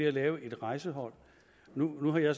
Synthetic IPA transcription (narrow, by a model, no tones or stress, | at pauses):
eælɛːʊəʔe̝d̥ʁɑ̈ɪsəɦɒ̽l̰ | nunuɦɑ̈jɑ̈ɪs